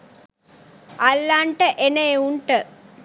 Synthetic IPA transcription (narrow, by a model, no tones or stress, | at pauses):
ʔalːaːɳʈəʔenɐeuɳʈə